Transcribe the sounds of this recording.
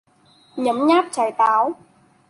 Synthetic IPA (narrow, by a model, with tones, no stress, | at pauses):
ɲə˨˦mɲaː˦˥p̚t͡ɕaː˨˩jt̪aː˨˦w